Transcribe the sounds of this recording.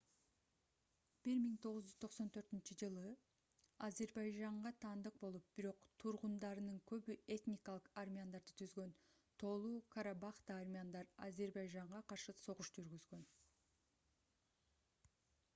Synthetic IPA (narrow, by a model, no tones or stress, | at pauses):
b̥iɾmiŋt̪ʰo̞ʁuzd͡ʒyzt̪ʰo̞qso̞nt̪ʰø̞ɾt̪int͡ʃyd͡ʒɯlˠɯ | azʲe̞ɾbɑjd͡ʒɑɴʁɑt̪ʰɑːnd̪ɯq̚bo̞lˠup̚b̥iɾo̞qt̪ʰuɾʁund̪ɑɾɯnɯŋkʰø̞βye̞t̪nʲɪkalˠɯqarmʲiand̪ɑɾd̪ɯt̪ʰyzɡø̞n | t̪ʰo̞ːlˠuːkʰaɾabɑχt̪aːrmʲiand̪ɑɾa̰ze̞ɾbɑjʒɑɴʁɑqɑɾʃɯso̞ʁuʃd͡ʒyɾɡyzɡø̞n